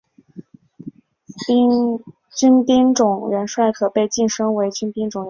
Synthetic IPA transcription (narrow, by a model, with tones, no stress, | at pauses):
t͡ɕy˥npi˥ŋʈ͡ʂʊ˨˩ŋɥɛ˧˥nʂwa˥˩ɪkʰɤ˨˩pe˥˧ɪt͡ɕi˥˩nʂɤ˥ŋwe˧˥ɪt͡ɕy˥npi˥ŋʈ͡ʂʊ˨˩ŋ˧